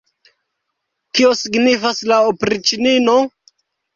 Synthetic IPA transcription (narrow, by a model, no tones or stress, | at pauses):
kio̞siɡnifaslaopɾit͡ʃinino̞